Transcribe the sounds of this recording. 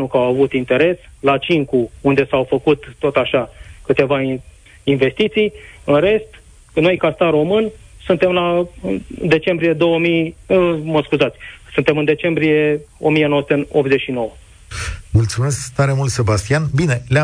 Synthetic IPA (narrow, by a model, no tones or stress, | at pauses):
nukawavut̪int̪e̞ɾe̞slat͡ʃiŋkuund̪e̞sawfəkut̪ːo̞t̪aʃakɨt̪e̞va | inve̞st̪it̪sijɨnɾe̞st̪ | no̞jkast̪arro̞mɨn | sunt̪e̞mla | d̪e̞t͡ʃe̞mbɾije̞d̪o̞wəmij | məskuzat̪sʲsɨnt̪e̞mɨnd̪e̞t͡ʃe̞mbɾije̞o̞̰mijenoəsu̥t̪eop̪̚zeʃino̞wə | mult̪sume̞skt̪aɾemult̪se̞bast̪ijanbine̞la